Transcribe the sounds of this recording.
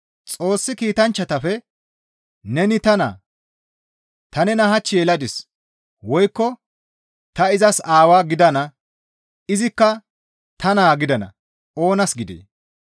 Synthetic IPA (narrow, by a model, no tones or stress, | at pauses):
t͡sʼo̞ːsːɪkiːt̪ɐnt͡ʃːɐt̪ɐfɛ | nɛnɪt̪ɐna̰ː | t̪ɐnɛnɐɦɐt͡ʃːɪjɛlɐd̪ɪs | wɔjkːɔ | t̪ɐɪzɐsaːwaːɡɪd̪ɐnɐ | ɪzɪkːɐ | t̪ɐnaːɡɪd̪ɐnɐ̰ | o̞ːnɐsɡɪd̪ḛː